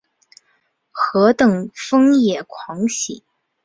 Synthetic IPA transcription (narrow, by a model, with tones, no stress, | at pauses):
xɤ˧˥t̪ɤ˨˩ŋfɤ˥ŋjɛ˨˩kʰwɑ˧˥ŋɕi˨˩˦